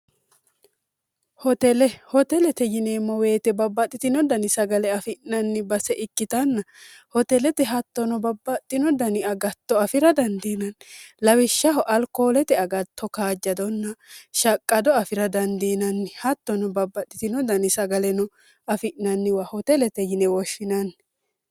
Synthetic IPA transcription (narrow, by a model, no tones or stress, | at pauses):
hɔt̪ɛlɛhɔt̪ɛlɛt̪ɛjɪneːmːɐwe̞ːt̪ɛbɐbːɐt̪ʼːɪt̪ɪnɔd̪ɐnɪsɐɡɐlɛɐfɪʔnɐnːɪbɐsɛʔɪkːɪt̪ɐnːɐ | hɔt̪ɛlɛt̪ɛɦɐt̪ːɔnɔbɐbːɐt̪ʼːɪnɔd̪ɐnɪɐɡɐt̪ːɔɐfɪɾɐd̪ɐnd̪iːnɐnlɐwɪʃːɐɦɔʔɐlkoːlɛt̪ɛɐɡɐt̪ʰːɔkaːd͡ʒːɐd̪ɔnːɐʃɐkʼːɐd̪ɔɐfɪɾɐd̪ɐnd̪iːnɐnːɪhɐt̪ːɔnɔbɐbːɐt̪ʼːɪt̪ɪnɔd̪ɐnɪsɐɡɐlɛnɔ | ɐfɪʔnɐnːɪwahɔt̪ɛlɛt̪ɛjɪnɛwɔʃːɪnɐnːɪ